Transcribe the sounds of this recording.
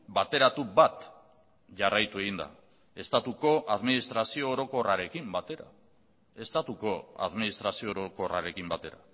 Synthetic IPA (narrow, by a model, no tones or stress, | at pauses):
bat̪e̞ɾat̪ubat̪ | ʝarajt̪ue̞ɣind̪a̰ | e̞st̪at̪uko̞ʔaðminist̪ɾasio̞ːɾo̞ko̞raɾe̞kimbat̪e̞ɾa̰ | e̞st̪at̪uko̞a̰ðminist̪ɾasio̞ːɾoko̞ra̰ɾe̞kimbat̪e̞ɾa̰